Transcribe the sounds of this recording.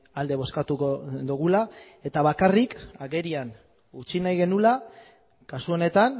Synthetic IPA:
ald̪e̞β̞o̞skat̪ukod̪uɣ̞ula | e̞t̪aβakarikaɣe̞ɾian | ut͡ʃinajɣe̞nula | kasuo̞ne̞t̪an

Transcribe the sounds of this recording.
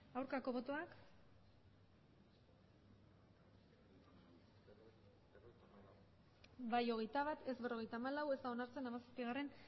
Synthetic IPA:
awɾkako̞βo̞t̪o̞ak | bajo̞ɣ̞e̞jt̪aβat̪e̞zβe̞ro̞ɣ̞e̞jt̪aːmalawe̞st̪ao̞naɾt͡se̞namasaspiɣ̞are̞n

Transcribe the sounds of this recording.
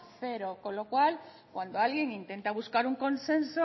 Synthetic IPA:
θeɾoko̞nlo̞kwal | kwand̪oalɣjeŋint̪e̞nt̪aβ̞uskaɾuŋko̞nse̞nso

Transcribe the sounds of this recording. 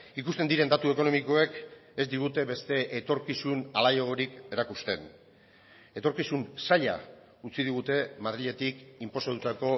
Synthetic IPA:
ikust̪e̞nd̪iɾe̞nd̪at̪ue̞ko̞no̞miko̞e̞ke̞zd̪iɣ̞ut̪e̞βe̞st̪e̞ʔet̪o̞ɾkisunalajoɣo̞ɾike̞ɾakust̪e̞n | e̞t̪o̞ɾkisunsaʎa̰ | ut͡siðiɣ̞ut̪e̞mað̞ɾiʎe̞t̪ikimpo̞sat̪ut̪ako̞

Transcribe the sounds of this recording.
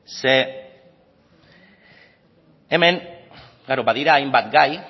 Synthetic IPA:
se | eme̞n | ɡaɾobaðiɾaːjmbat̪ɡaj

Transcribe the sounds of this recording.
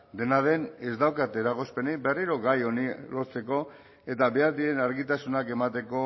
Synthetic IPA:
d̪e̞nað̞e̞ne̞zd̪awkat̪eɾaɣ̞o̞spe̞nebe̞riɾo̞ɣajo̞nilo̞ɾt͡se̞ko̞ | e̞t̪aβe̞aɾðie̞naɾɣit̪asunake̞mat̪e̞ko̞

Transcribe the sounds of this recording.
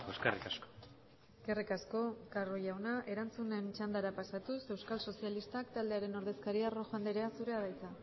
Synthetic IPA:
eskarḭkasko̥ | eskerikasko̞karojawnaʔe̞ɾant͡sune̞nt͡ʃand̪aɾapasat̪use̞wskalso̞sijalist̪akt̪ald̪e̞aɾe̞no̞ɾð̞e̞skaɾiaro̞xoand̪eɾeasuɾe̞aβajt͡sa

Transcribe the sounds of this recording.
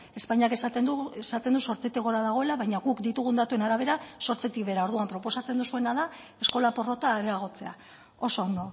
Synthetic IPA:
e̞spaɲake̞sat̪end̪uesat̪end̪uso̞ɾt͡set̪ikɣoɾaðaɣ̞o̞e̞laβajɲaɣukd̪it̪uɣ̞und̪at̪ue̞naɾaβ̞e̞ɾaso̞ɾt͡se̞t̪ikβe̞ɾaoɾð̞uampɾo̞po̞sat͡se̞nd̪usue̞naða | e̞sko̞lapo̞ro̞t̪aɾeaɣ̞o̞t͡se̞a | o̞so̞ːnd̪o̞

